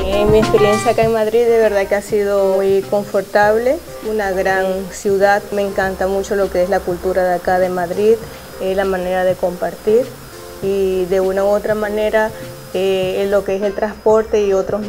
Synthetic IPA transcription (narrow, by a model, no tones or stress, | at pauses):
eŋmiespe̞ɾje̞nsjaːkae̞ŋmaðɾiðd̪e̞βe̞ɾðakeasið̞o̞mujko̞ɱfo̞ɾt̪aβle̞ | unaɣɾansjuðaðme̞ŋkant̪amut͡ʃo̞lo̞ke̞eslakult̪uɾaðakaðe̞maðɾið | eslamãne̞ɾaðe̞ko̞mpaɾt̪iɾ | iðe̞unaoot̪ɾamãne̞ɾa | elo̞keese̞lt̪ɾaspo̞ɾt̪e̞io̞t̪ɾo